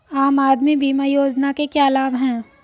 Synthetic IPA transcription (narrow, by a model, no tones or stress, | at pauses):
aːmaːd̪mibiːmajoːd͡ʒnakekjaːlaːmɦɛ̃ː